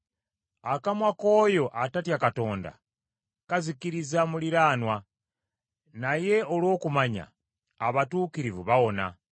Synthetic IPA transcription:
akamwako̞ːjo̞ʔatatjakato̞ːnda̰ | kazikiɾizamuliɾaːnwa | naje̞olwo̞ːkumaɲa̰ː | βatuːkiɾivuβawo̞na̰

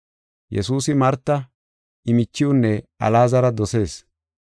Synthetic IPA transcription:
jɛ̰suːsɪmɐɾt̪ːɐ | ʔɪmɪt͡ʃːɪʊnːɛʔɐ̰laːzɐɾɐd̪ɔse̞ːs

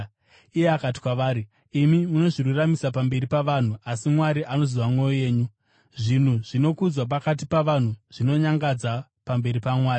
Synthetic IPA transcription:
ijeakati̥kwaʋaːɾiː | mimuno̞ʐirwuramisapambe̞ɾipaʋan̤uasimwaɾiʔano̞ziʋamwe̞joje̞ːɲu | ʐin̤uʐ̥ino̞kud͡zwap̬akat̬ipaʋan̤uʐ̥ino̞ɲaŋɡad͡zapambe̞ɾipamwaːri

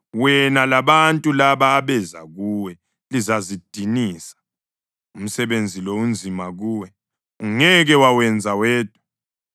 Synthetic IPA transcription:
wɛnalaɓantʼulaɓaːɓɛza̰k̬uwɛ | lizazid̥ʱiniːsḁ | um̩sɛɓend͡zʱilound͡zʱimak̬uːwɛ | uŋɛk̬ɛwawɛnd͡zʱawɛːd̥ʱu

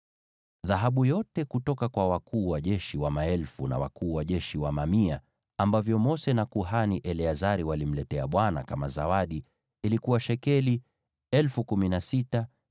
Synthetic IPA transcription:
ðaɦaɓujɔtɛkutɔkakwawakʰuːwaʄɛʃiwamaɛlfuna̰wa̰kuːwaʄɛʃiwamamia | ambavjɔmɔsɛnakuɦaniʔɛlɛazaɾiwalim̩lɛtɛa̰ɓwana̰kamaza̰waɗiː | likuwaʃɛkɛli | ɛlfukuminasita

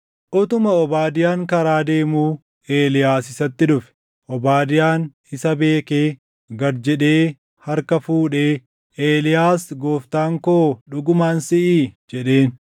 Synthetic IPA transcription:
ʔʊt̪ʊmɐɔbaːd̪ɪjaːŋkɐɾaːd̪e̞ːmuː | ʔe̞ːlɪjaːsɪsɐt̪ːɪᶑʊfɛ̥ | ʔɔbaːd̪ɪjaːn | ɪsɐbe̞ːkeː | ɡɐɾd͡ʒɛᶑeː | hɐɾkɐfuːᶑeː | ʔeːlɪjaːsɡo̞ːft̪aːŋkoːᶑʊɡʊmaːnsɪʔiːd͡ʒɛᶑe̞ːn

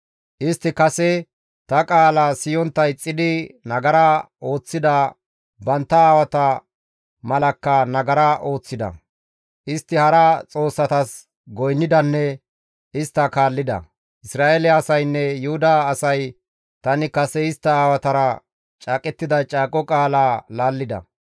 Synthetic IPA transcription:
ʔɪst̪ːɪkɐsɛ | t̪ɐkʼaːlɐsɪjɔnt̪ːɐɪt͡sʼːɪd̪ɪnɐɡɐɾɐ | o̞ːt͡sːɪd̪ɐ | bɐnt̪ːɐaːwɐt̪ɐ | mɐlɐkːɐnɐɡɐɾɐʔo̞ːt͡sːɪd̪ɐ̰ | ʔɪst̪ːɪhɐɾɐt͡sʼo̞ːsːɐt̪ɐs | ɡɔjnːɪd̪ɐnːɛ | ɪst̪ːɐkaːlːɪd̪ɐ̰ | ʔɪsɾaːʔelɛɐsɐjnːɛjʊhʊd̪ɐːsɐj | t̪ɐnɪkɐsɛɪst̪ːɐaːwɐt̪ɐɾɐ | t͡ʃʼaːkʼɛt̪ːɪd̪ɐt͡ʃʼaːkʼɔkʼaːlaːlaːlːɪd̪ɐ̰

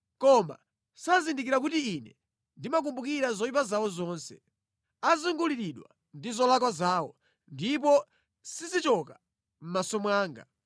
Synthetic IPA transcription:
kɔma̰ | sazindik̬iɾak̬utiːnɛ | ndimak̬umbuk̬iɾazɔjip̬azawɔzɔnsɛ | azuŋɡuliɾiɗwa̰ | ndizɔlakwazaːwɔ̰ | ndip̬ɔ | sizit͡ʃɔka | m̩masɔmwaːŋɡa̰

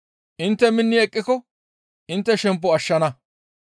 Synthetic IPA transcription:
ʔɪnt̪ːɛmɪnːɪɛkʼːɪkɔ | ʔɪnt̪ːɛʃɛmp̬ːɔɐʃːɐnɐ

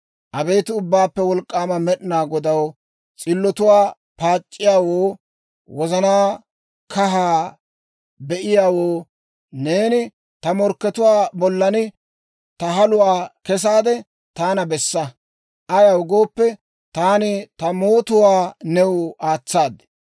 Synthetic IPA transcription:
ʔɐbɛjt̪ɪʊbːaːpːɛwɔlkʼːaːmɐmɛɗɪnaːɡɔd̪ɐw | t͡sʼɪlːɔt̪ʊwaː | paːt͡ʃʼːɪjaːwoː | wɔzɐnaː | kɐɦaː | bɛʔɪjaːwoː | neːnɪ | t̪ɐmɔɾkːɛt̪ʊwaːbɔlːɐnɪ | t̪ɐɦɐlʊwaːkɛs̬aːd̪ɛ | t̪aːnɐbɛsːɐ | ʔɐjɐwɡoːpːɛ | t̪aːnɪt̪ɐmo̞ːt̪ʊwaːnɛwʊaːt͡sːaːd̪ɛ

